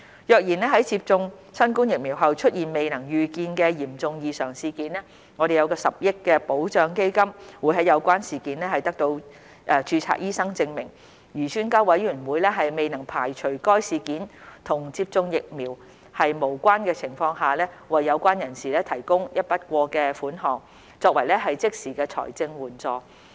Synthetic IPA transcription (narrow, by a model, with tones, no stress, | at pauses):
jœː˨˧k̚jiː˨˩nlɛː˥ɦɐ˨˥jt͡siː˧p̚t͡sʊ˧ŋ | sɐ˥nkuː˥njɪ˨k̚miː˨˩wɦɐ˨wt͡ʃʰɵ˥t̚jiː˨nme˨jnɐ˨˩ŋjyː˨kiː˧nkɛ˧jiː˨˩mt͡sʊ˨˧ŋjiː˨˧sœː˨˩ŋsiː˨˧kiː˨˥nɛː˥ | ŋɔː˨˧ɾe˨jɐ˨˧wkɔː˧sɐ˨p̚jɪ˥kːɛ˧po˨˥wt͡ʃœː˨ŋke˥jkɐ˥mwuː˨˥jɦɐ˨˥jɐ˨˧wkʷaː˥nsiː˨kiː˨˥nlɛː˥hɐ˨˩jt̪ɐ˥k̚t̪o˧w | ʔɛː˨t͡ʃyː˧t͡sʰa̰ː˧k̚jiː˥sɐ˥ŋt͡sɪ˧ŋmɪ˨˩ŋ | jyː˨˩t͡ʃʰyː˥nkaː˥wɐ˨˥jɥyː˨˩nwuː˨˧jlɛː˥ɦɐ˨jme˨jnɐ˨˩ŋpʰaː˨˩jt͡ʃʰɵ˨˩ɥkɔː˥jsiː˨˧kiː˨˥nt̪ʰʊ˨˩ŋt͡si˧p̚t͡sʊ˧ŋjɪ˨k̚miː˨˩w | hɐ˨jmo˨˩wkʷaː˥nkɛː˧t͡sʰɪ˨˩ŋfɔː˧ŋɦaː˨lɛ˥ | wɐ˨jːɐ˨˧wkʷaː˥njɐ˨˩nsiː˨lɛː˥t̪ʰɐ˨˩jkʊ˥ŋjɐ˥t̚pɐ˥t̚kʷɔː˧kɛː˧fuː˨˥nɦɔː˨ŋ | t͡sɔː˧k̚wɐ˨˩jlɛ˥ɦɐ˨jt͡sɪ˥k̚siː˨˩kɛː˧t͡sʰɔ̰ː˨˩jt͡sɪ˧ŋwuː˨˩nt͡sɔː˨˧